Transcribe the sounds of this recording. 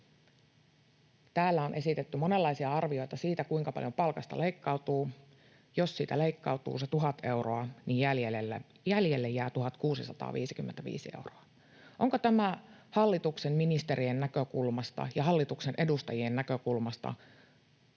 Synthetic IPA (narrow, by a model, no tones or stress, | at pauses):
t̪æːlːæonʔe̞sit̪et̪ːymo̞ne̞lːɑisiɑɑrʋio̞jt̪ɑsiːt̪ækuiŋkɑpɑ̰ljopɑlkɑst̪ɑ̰leikːɑut̪uː | jo̞ssiːt̪æleikːɑut̪ṵːset̪uɦɑt̪e̞wroɑnijjæljelelːæ | jæljelːejæːt̪uɦɑt̪kuːsisɑt̪ɑ̰ːʋḭːsikymːent̪æʋḭːsiḛuwroɑ | ʔoŋkot̪æmæhɑlːit̪uksemminist̪e̞ɾienːækøkulmɑst̪ɑ̰jɑɦɑlːit̪uksenʔe̞dust̪ɑjienːækøkulmɑst̪ɑ̰